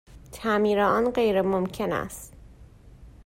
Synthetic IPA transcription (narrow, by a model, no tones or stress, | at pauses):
t̪ʰæmiːɾeɒːnɢe̞jɾemomcʰe̞næ̰st̪